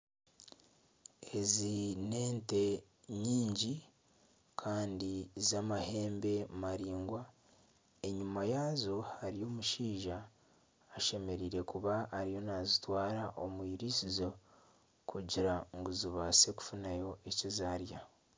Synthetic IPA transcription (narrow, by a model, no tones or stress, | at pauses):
e̞zine̞ːnte̞ | ɲiːɲɟi | kʰaːndizamahe̞ːmbe̞maɾiːŋɡwa | e̞ɲumajazohaɾijo̞ːmuʃiːʒaː | ʃe̞me̞ɾiːɾe̞kuβaːɾijo̞nazitwaːɾaʔo̞mwiːɾisizo̞ | kʰuɟiɾaŋɡuziβase̞ku̥funajo̞e̞cizaːɾja